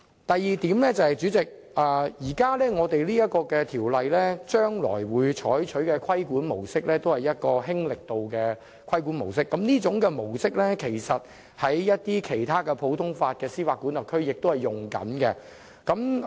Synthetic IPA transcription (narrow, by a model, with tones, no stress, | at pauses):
t̪ɐ˨jːiː˨t̪iː˨˥mlɛː˥t͡sɐ˨˩hɐ˨jt͡ʃyː˨˥t͡sɪ˨k̚ | aː˨˩jiː˨˩kaː˥lɛː˥ŋɔː˨˧t̪e˨jliː˥jɐ˥t̚kɔː˧kɛː˧t̪ʰiː˨˩wlɐ˨jlɛː˥t͡ʃœː˥ŋlɔ̰ː˨˩jwuː˨˧jt͡ʃʰɔː˨˥jt͡ʃʰɵ˨˥ɥkɛ˧kʰɐ˥jkuː˨˥nmo̰˨˩wsɪ˥k̚lɛː˥t̪o˥whɐ˨˩jɐ˥t̚kɔː˧ɦɪ˥ŋlɪ˨k̚t̪o˨wkɛː˧ | kʰwɐ˥jkuː˨˥nmo˨˩wsɪ˥kːɐ˨˥mniː˥t͡sʊ˨˥ŋkɛː˧mo˨˩wsɪ˥k̚lɛ˥kʰe˨˩jsɐ˨t̚ | hɐ˨˥jːɐ˥t̚t̪iː˥kʰe˨˩jt̪ʰaː˥kɛ˧pʰo˨˧˥wt̪ʰʊ˥ŋfaː˧t̚kɛː˧siː˥waː˧kːuː˨˥nlɐ˨kʰɵ˥ɥjɪ˨k̚t̪o˥whɐ˨˩jʊ˨˩ŋkɐ̰˨˥nkɛ˧ | kɐ˨˥m